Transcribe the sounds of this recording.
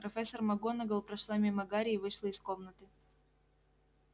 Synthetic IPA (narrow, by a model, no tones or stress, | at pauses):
pɾɐfʲɛsːərmɐɡonɐɡəlˠpɾɐʂlˠamʲɪmɐɡaɾʲɪvɨʂlˠəɪskomnət̪ɨ